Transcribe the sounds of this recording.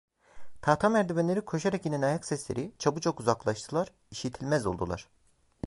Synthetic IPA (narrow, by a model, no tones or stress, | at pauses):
t̪ʰaːt̪ʰamæɾd̪ibɛnlʲeɾikʰo̞ʃaɾakininajaksɛslʲeɾit͡ʃʰabɯt͡ʃʰokuzaklˠaʃt̪ʰɯlˠaɾ̥ | iʃit̪ʰilʲmɛzo̞lˠd̪ṵlˠa̰ɾ̥